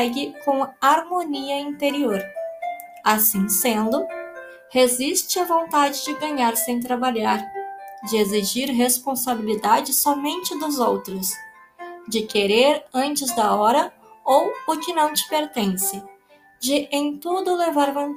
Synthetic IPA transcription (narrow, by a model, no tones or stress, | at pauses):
ɛɡɪkõaɾmoniɐĩnt̪eɾioɾ | asĩsẽnd̪ʊ | hezist͡ʃɪɐvõnt̪ad͡ʒɪd͡ʒɪɡɐ̃ɲaɾsẽj̃t̪ɾabaʎaɾd͡ʒɪeziʒiɾɦespõsabilid̪ad͡ʒɪsɔmẽnt͡ʃɪd̪ʊzowt̪ɾʊs | d͡ʒɪkeɾeɾɐ̃nt͡ʃɪzd̪ɐɔɾɐ | owʊkɪnɐ̃w̃t͡ʃɪ̥peɾt̪ẽsɪ | d͡ʒɪʔẽj̃t̪ud̪ʊlevaɾvõ